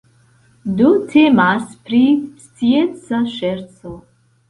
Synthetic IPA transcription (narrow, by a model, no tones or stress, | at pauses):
dutʰemaspɾist͡sient͡saʃeɾt͡so